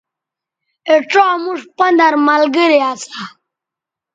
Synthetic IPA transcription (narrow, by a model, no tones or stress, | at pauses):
eʈ͡ʂomuʂpɐnd̪aɾmalɡiɾiat͡sa